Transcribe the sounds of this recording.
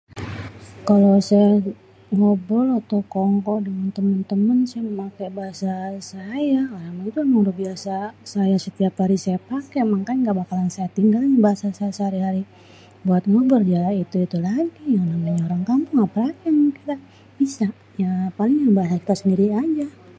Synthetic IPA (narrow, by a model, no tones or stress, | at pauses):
kalosaja | ŋobɔlat̪okɔŋkɔʔdəŋant̪əmənt̪əmənsajaməmakebaɦasasajaoɾamait̪uməŋɾubiasasajasət̪iaphaɾisajapakemaŋkanŋɡaʔbakalansajat̪iŋɡalŋbaɦasasajasəhaɾiɦaɾi | buat̪̚ŋobərd͡ʒalait̪uit̪ulaɡijaŋnamaɲaoɾaŋkampʊŋapaakɛŋkit̪a | bisa | japalɪŋjabaɦasaki̥t̪asəndiɾiad͡ʒa